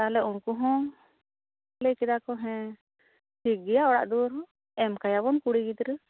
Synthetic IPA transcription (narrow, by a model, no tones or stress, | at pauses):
t̪aɦlɛunkuɦɔ̃ | lɛkɛd̪akɔɦɛ̃ | siɡijaɔɽa̰ʔd̪uɾɦɔ̃ | ɛmkajaβɔnkuɽiɡid̪ɾə